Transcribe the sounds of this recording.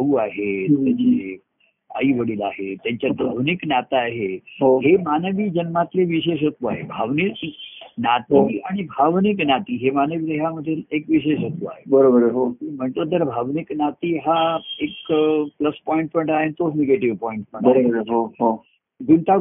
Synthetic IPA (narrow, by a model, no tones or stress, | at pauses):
əuaɦet̪jat͡ɕe | a̰iʋəɽiːla̰ɦet̪jaɲt͡ɕjad̪aʋniknat̪aːɦeɦoɦemanəʋiːd͡ʑənmat̪leʋiɕ̬eɕ̬ət̪ua̰ɦḛbʱaʋniinat̪iaɽ̃ibʱaʋniknat̪iːɦemanəʋid̪eɦjaməd̪ʱːelekʋiɕ̬eɕət̪ua̰ɦebəɾobəɾɦomim̤əɳt̪ot̪əɾbʱaʋniknat̪iːɦaekpləspɔĩɳʈ̚pəɳʈaɦent̪oneɡeʈiʋpɔiɳʈpəɳbaeəɾɦoɦo | ɡunt̪a